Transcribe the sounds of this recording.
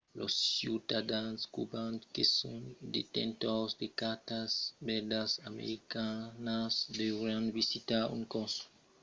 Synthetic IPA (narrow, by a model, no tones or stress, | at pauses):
losːjut̪ad̪anskubãntkesũnd̪et̪ḛ̃nt̪osd̪ekat̪asbɛɾd̪asamḛɾikanasd̪evɾanvisit̪aṵŋkoso̥